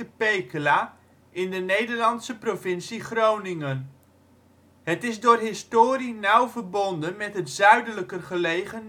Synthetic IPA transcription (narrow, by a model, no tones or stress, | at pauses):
əpejkəlaː | ɪndənejdəɹlɑnsəprovɪnsiχrownɪŋən | ɦətɪzdʊːrɦɪstoːɾinʌwvəɹbɔndənmɛtɦətzœɥdələkərχəlejχən